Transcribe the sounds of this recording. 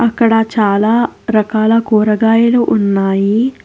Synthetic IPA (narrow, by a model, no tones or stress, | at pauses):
ɐkːɐɽɐt͡ʃaːlaːɾɐkaːlɐkuːɾɐɡaːjɐluʔunːaːji